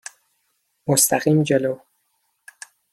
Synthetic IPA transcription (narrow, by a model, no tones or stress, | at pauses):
most̪ʰæɢiːmd͡ʒelow